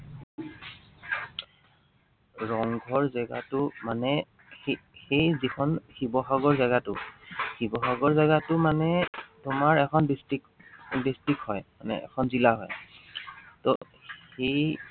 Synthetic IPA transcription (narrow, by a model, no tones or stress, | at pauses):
ɹɔŋɡʱɔɹzaɡa̰tʊmanɛ | xejzikʰɔnxibɔxaɡɔɹzaɡatʊxibɔxaɡɔɹzaɡatʊmanɛtʊmaɹɛkʰɔndistikdistikhɔjmanɛ̰ɛ̰kʰɔnzilaɦɔj | tɔ̰ | hxej